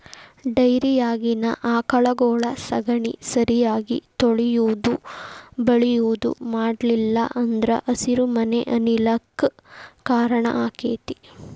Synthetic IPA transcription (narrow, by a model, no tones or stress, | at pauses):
ɖɐjɾijaːɡinɐ̰ʔaːkɐɭɐɡɔːɭɐsɐɡɐɳisɐɾijaːɡḭt̪oɭijuːd̪ubɐɭijuːd̪ṵmaːɖlilːɐ̰ʔɐnd̪ɾɐ̰ʔɐsiɾumɐnḛʔɐnilɐkː | kaːɾɐɳɐ̰ʔaːkeːt̪i̥